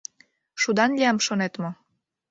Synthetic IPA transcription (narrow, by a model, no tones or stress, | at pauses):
ʃud̪ɑnlʲiɑmʃonet̪mo